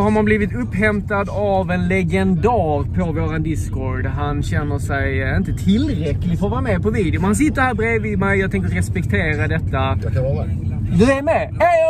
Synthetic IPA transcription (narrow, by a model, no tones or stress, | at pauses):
haɾmanbliːvɪt̪ɵpːhɛmt̪ad̪avɛnlɛɡɛnd̪æːɾpʰɔvoːɾand̪ɪskɔɾɖɦanɕɛnːəʂɛjɪnt̪ət̪ʰɪlɾɛklɪfɔɾɔvɑːɾamɛːpʰɔviːd̪ɪʊmɛnhans̬ɪt̪ːəɾhæːɾbɾeːvɪmɛjjɑɡt̪ɛŋk̬əɾɾɛspɛkt̪ʰeːɾad̪ɛt̪ːa | d̪ɵæɾmɛɛ